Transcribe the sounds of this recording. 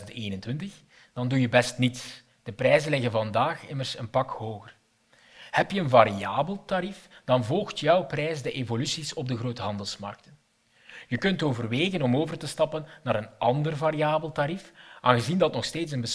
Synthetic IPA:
ənteːnəntwɪntəx | d̥ɑndujəbɛstnits | d̥əprɛjzənlɪɣənvɑndaːxɪmərsənpɑkhoːɣər | hɛpjəənvaɾiaːbəlˠtaɾifd̥ɑnvɔlˠxtjœwprɛjz̬dəʔeːvolysisɔb̚dəɣroːtəɦɑndəlˠsmɑ̰rk̚tən | jəkɵntoːvərʋeːɣənɔmoːvərtəstɑpənːaːɾənʔɑndərvaːɾiaːbəlˠtaɾifʔaːnɣəzindɑtnɔxsteːtsənbəs

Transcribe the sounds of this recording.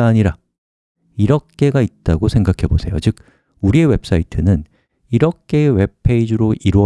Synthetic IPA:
aɲiɾa | iɾʌk̚k͈e̞ɡait̚t͈aɡosʰe̞ŋɡakʰe̞bosʰe̞jo̰t͡ɕɯk̚ | uɾie̞we̞p̚s͈aitʰɯnɯn | iɾʌk̚k͈e̞we̞pʰe̞id͡ʑɯɾoʔiɾoʌ

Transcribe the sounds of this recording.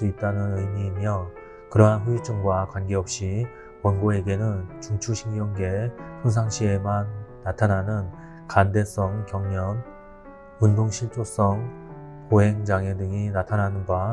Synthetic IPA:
s͈uit̚t͈anɯnɯimiːmjʌ | kɯɾʌɦanɸuit͡ɕ͈ʰɯŋɡwakwanɡe̞ʌp̚ɕ͈i | wʌnɡoe̞ɡe̞nɯnt͡ɕuŋt͡ɕʰuɕʰiŋjʌŋɡe̞tʰons̬ʰaŋɕʰie̞manː | atʰanɦanɯn | kande̞s͈ʌŋkjʌŋɲʌn | undoŋɕʰiɭt͡ɕ͈os͈ʌŋ | poɦeŋd͡ʑaŋedɯŋinatʰanɦanɯnba

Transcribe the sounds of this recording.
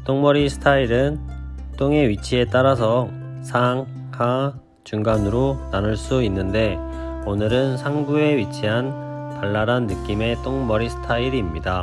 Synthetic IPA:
t͈oŋmʌɾisʰɯ̥tʰaiɾɯnt͈oŋe̞ɥit͡ɕʰie̞t͈aɾasʰʌ | sʰaŋ | ka | t͡ɕuŋɡanɯɾonanɯɭs͈uinːɯnde̞ | onɯɾɯnsʰaŋɡue̞ɥit͡ɕʰiɦan | paɭːaɾanːɯk͈ime̞t͈oŋmʌɾisʰɯ̥tʰaiɾiːmɲida

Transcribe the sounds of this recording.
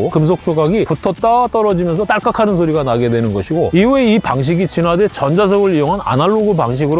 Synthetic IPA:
okɯms̬ʰok̚s͈ʰoɡaɡiputʰʌt͈at͈ʌɾʌd͡ʑimjʌns̬ʰʌt͈aɭk͈akʰanɯnsʰoɾiɡanaɡe̞dwe̞nɯnɡʌɕʰiɡoiueipaŋɕ̬ʰiɡit͡ɕinadet͡ɕʌnd͡ʑas̬ʰʌɡɯɭijoŋɦana̰naɭːoɡɯpaŋɕ̬ʰiɡɯɾ

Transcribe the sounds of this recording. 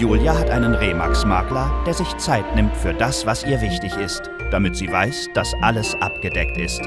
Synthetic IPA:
juːljaɦatʔaɪnənʁeːma̰ksma̰ɐklɐd̥eːɐzɪçt͡saɪtnɪmtfyːɐdasv̥asʔiːɐvɪçtɪçɪst | d̥amɪtz̥iːvaɪsd̥asʔaləsʔa̰pɡ̥ədɛk̚tɪ̰st

